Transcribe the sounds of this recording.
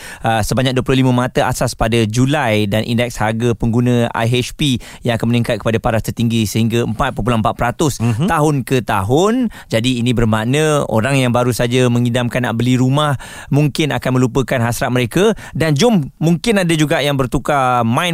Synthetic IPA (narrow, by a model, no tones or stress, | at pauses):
əsəbaɲak̚duəp̬lʊlimə̃mat̪əʔa̰saspadad͡ʒulajdanʔḭndɛk̚shaɡapəŋɡunə̃a̰jɦɛt͡ʃpi | jaŋakanmənĩŋkat̪̚kə̥padapaɾast̪ərt̪iŋɡisəɦiŋɡaəmpat̪̚pəp̬ulaəmpat̪̚pəɾat̪ʊst̪aɦʊnkət̪aɦʊn | d͡ʒadiːnĩbərmanə̃o̰ɾaŋjaŋbaɾusad͡ʒamə̃ŋidamkanːaʔbəliɾumah | muŋkɪna̰kanmə̃lupəkanɦasɾat̪̚məɾeka | dand͡ʒʊmːuŋkɪnadad͡ʒuɡaʔjaŋbərt̪ukamãj